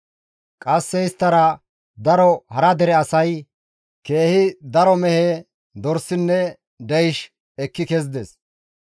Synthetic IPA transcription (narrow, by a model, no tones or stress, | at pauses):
kʼɐsːɛɪst̪ːɐɾɐ | d̪ɐɾɔhɐɾɐd̪ɛɾɛɐsɐj | ke̞ːhɪd̪ɐɾɔmɛhe | d̪ɔɾsːɪnːɛ | d̪ɛjʃ | ɛkːɪkɛzd̪ɛs